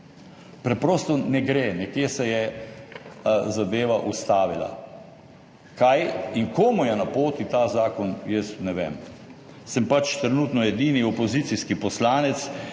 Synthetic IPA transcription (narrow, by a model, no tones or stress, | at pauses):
pɾɛpɾɔːst̪ɔnɛɡɾeːnɛkjeːsɛjɛ | zad̪eːʋaʔust̪aːʋila̰ | kʰajiŋkoːmujɛnapoːt̪it̪azaːkɔnjəsnɛʋḛm | sɛmpat͡ʃt̪ɾɛnuːt̪nɔɛd̪iːniɔpɔziːt̪siskipɔslaːnɛt̪s